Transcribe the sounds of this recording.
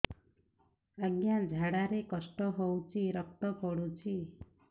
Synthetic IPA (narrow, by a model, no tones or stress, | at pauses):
aɡjad͡ʒʱaɽaɾekɔsʈɔɦowt͡ʃʰiɾɔk̚t̪ɔpɔɽut͡ʃʰi